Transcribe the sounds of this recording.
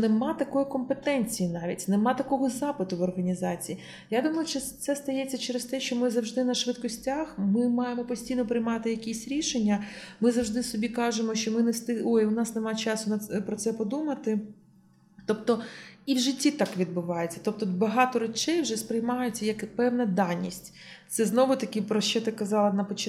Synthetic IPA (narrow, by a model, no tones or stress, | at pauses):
nemɑt̪ɐkɔjikɔmpet̪ɛnʲt͡sʲijinɑʋʲḭtʲnemɑt̪ɐkɔɦɔzɑpɪt̪ʊʋɔrɦɐnʲizɑt͡sʲiji | jad̪umɔjʊʃt͡ʃɔt̪sɛst̪ɐjɛt͡sʲːɐt͡ʃɛɾest̪ɛʃt͡ʃɔmɪzɐwʐd̪ɪnɐʃʋɪt̪kɔsʲtʲaxmɪmɑjemɔpɔsʲtʲijnɔpɾɪjmɑt̪ɪjɐkʲisʲɾʲiʃenʲːɐ | mɪzɐwʐd̪ɪsɔbʲikɑʒemɔʃt͡ʃɔmɪnɛst̪ɪojʊnɑsnemɑt͡ʃɑsʊnɐpɾɔt̪sɛpɔd̪umɐt̪ɪ | t̪ɔp̚t̪ɔiwʒɪtʲːit̪ɑkʋʲid̪̚bʊʋɑjet͡sʲːɐ̥t̪ɔp̚t̪ɔbɐɦɑt̪ɔɾɐt͡ʃɛjwʒɛspɾɪjmɑjʊt͡sʲːɐjɐkpɛwnɐd̪ɑnʲːḭsʲtʲ | t̪sɛznɔʋʊt̪ɐkʲɪpɾɔʃt͡ʃɛt̪ɪkɐzɑlˠɐnɐpɔt͡ʃ